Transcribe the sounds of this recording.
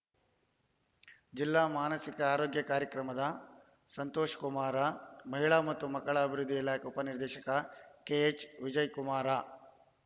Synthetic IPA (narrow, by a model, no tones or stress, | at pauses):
d͡ʒilːaːmaːnɐsikɐaːɾoːɡjɐkaːɾjɐkɾɐmɐd̪ɐ | sɐnt̪oːʃɐ̥kumaːɾamɐɦiɭaːmɐt̪ːumɐkːɐɭɐːbʱiɾud̪ʱːiilaːkeupɐniɾd̪ɛːʃɐkɐkeet͡ʃʋid͡ʒɐjkumaːɾaː